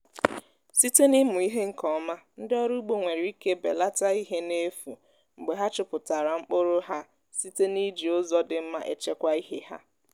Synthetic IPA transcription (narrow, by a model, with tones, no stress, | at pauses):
si˦te˦ni˦mʊ˨i˦ɦe˦ŋ̩˨kɔ˦ma˦n̩˦dɪ˦ɔ˦ɾu˦ɡ͡bo˨ŋʷe˨ɾi˨i˦ke˦bḛ˨la˦ta˦i˦ɦe˦ne˦fṵ˨ | ŋ͡m̩˨ɡ͡be˨ɦa˦t͡ʃʊ˨pʊ˨ta˨ɾa˨ŋ͡m̩˦k͡pʊ˦ɾʊ˦ɦa˦ | si˦te˦ni˦d͡ʒi˨ʊ˦zɔ˦dɪ˨m̩˦ma̰˦˨ʔḛ˨t͡ʃe˦kʷa˦i˦ɦe˦ha̰˦